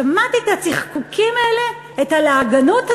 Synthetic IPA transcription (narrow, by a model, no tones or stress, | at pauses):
amat̪etat͡siχkukʰimaele | ethaleaɡanotha